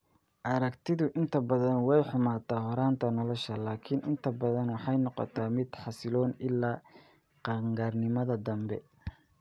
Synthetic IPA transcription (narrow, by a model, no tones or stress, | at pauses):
ʔɐɾɐkt̪ʰɪðʊʔɪnt̪ʰɐbɐðɐnwɛjħʊmaːt̪ʰaːɦɔɾaːnt̪ʰɐnɔlɔʃɐlaːkʰɪnʔɪnt̪ʰɐbɐðɐnwɑħɑjnɔqɔ̰t̪ʰaːmɪd̪̥ħɑsɪlɔːnɪlːaː | qɑŋɡaːrnɪmɐðɐd̪ɐmbɛ̰